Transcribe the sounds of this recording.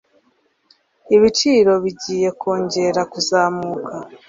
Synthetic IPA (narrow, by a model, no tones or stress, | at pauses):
iβit͡ʃiːɾo̞βiɟiːje̞kʰo̞ːɲɟe̞ɾakuzaːmukʰa